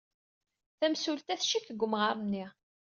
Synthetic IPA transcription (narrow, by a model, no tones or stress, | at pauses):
θæmsult̪æθʃikɡʷʊmʁəɾˤnːi